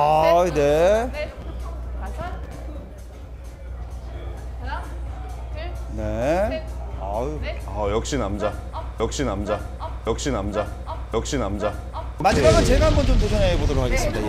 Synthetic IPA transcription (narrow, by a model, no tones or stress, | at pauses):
aɯne̞ | ne̞ | aajʌk̚ɕ͈inamd͡ʑajʌk̚ɕ͈inamd͡ʑa | jʌk̚ɕ͈inamd͡ʑa | jk̚ɕ͈inamd͡ʑa | mad͡ʑimaɡant͡ɕe̞ɡaɦambʌnt͡ɕomposʰʌnebodoɾokʰaɡe̞s͈ɯmmida